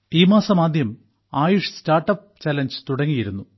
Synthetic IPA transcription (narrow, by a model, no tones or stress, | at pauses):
iːmaːsɐmaːd̪ʱjɐm | aːjuʂstaːrʈːɐp̚ | t͡ɕɐlɐnd͡ʑɨt̪uɽɐŋːijiɾunːu